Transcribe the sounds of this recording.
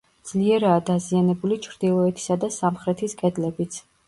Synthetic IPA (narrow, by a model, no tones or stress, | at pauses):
d̪z̥liɛɾaːd̪azianɛbulit͡ʃʰɾd̪ilˠɔɛt̪ʰi̥sad̪asamχɾɛt̪ʰiskʼɛd̪lɛbit̪sʰ